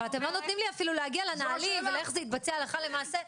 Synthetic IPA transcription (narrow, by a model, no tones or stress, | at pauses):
lat̪emlo̞no̞t̪nimliafiluleaɡialenaːlimveleχzeit̪̚bat͡sealeχale̞maːse